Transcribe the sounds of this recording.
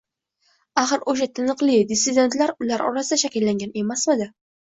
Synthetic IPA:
aχɨɾoʃ̬at̪ʰɪnɨqlˠɪd̪ɪsɪd̪ʲe̞nt̪laɾʊlaɾʔɒ̰ɾasɪd̪aʃakʲɪlːaŋɡʲane̞masmɪd̪ɪ

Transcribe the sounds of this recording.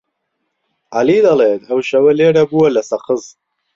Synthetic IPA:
ʔalid̪ɐlet̪ʰɐwʃɐwɐleːɽɐbuwɐlɐsɐqɨz

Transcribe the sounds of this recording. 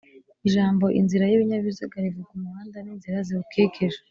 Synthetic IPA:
iʒaːmbo̞ʔḭnziɾajiβiɲaβizaɡaɾivukumuβaːndaniːnziɾaziukʰeːkʰeʒa

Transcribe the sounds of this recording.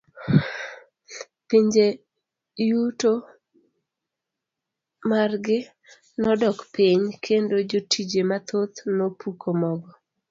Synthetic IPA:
piɲd͡ʒe | juto | marɡɪ | nɔdɔkpiɲkʰendod͡ʒotʰid͡ʒemat̪ot̪nopukʰomɔɡɔ

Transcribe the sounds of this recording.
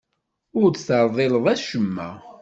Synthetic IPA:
ʊɾt͡sθəɾˤðˤeləðˤæʃəmːæ̰

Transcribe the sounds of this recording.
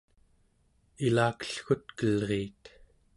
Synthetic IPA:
ilaːkə̥ɬxut̪kəlʁiːt̪

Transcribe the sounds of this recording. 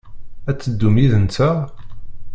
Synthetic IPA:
æt͡sːəd̪ːumiðənt͡sæ

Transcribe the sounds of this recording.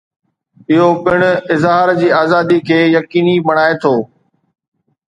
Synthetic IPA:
ɪɦopɪɽ̃ʊ̆ɪzɦaːɾd͡ʑiːaːzaːd̪ikʰeːjɐkiːnibɐɽ̃aːet̪ʰoː

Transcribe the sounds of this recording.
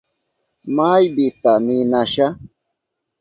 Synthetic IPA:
majbɪt̪anɪnaʃa

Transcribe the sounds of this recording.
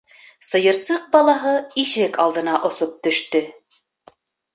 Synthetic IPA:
sɤ̆jɤ̆ɾsɤq̚bɑlˠɑɦɤiʃɘkɑlˠd̪ɤ̆nɑʔŏsop̚t̪ɵ̆ʃt̪ɵ

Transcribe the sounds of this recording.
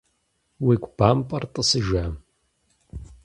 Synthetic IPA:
wikʷb̥ampʼɐrtʼɨsɨʒa

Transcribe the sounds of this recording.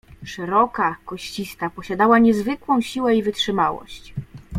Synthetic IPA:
ʂɛɾɔkakɔɕt͡ɕist̪apɔɕad̪awaɲɛzvɘkwɔ̃w̃ɕiwɛivɘtʂɘmawɔ̰ɕt͡ɕ

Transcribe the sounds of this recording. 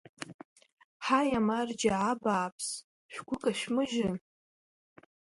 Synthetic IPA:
ħajamard͡ʒaʕabaːpʰs | ʃᶣʷɡʷʊkʼaʃᶣmɨʒɪ

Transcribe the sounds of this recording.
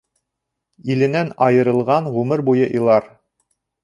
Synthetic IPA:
ilɘ̆nænɑjɤ̆ɾɤ̆lˠʁɑnʁʉmɘɾbujɤʔĭjlˠɑɾ

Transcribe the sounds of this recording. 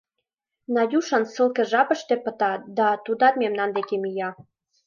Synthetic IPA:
nɑjʲuʃənsə̆lˠkĕʒɑpə̆ʃt̪ĕpə̆t̪ɑd̪ɑt̪ud̪ɑt̪memnɑnd̪ekemijɑ

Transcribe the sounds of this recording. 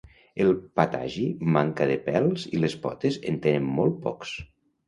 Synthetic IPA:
elˠpat̪a̰ʒimaŋkaðepɛlˠzilespɔt̪ezent̪enemmɔlˠt̪̚pɔ̰ks

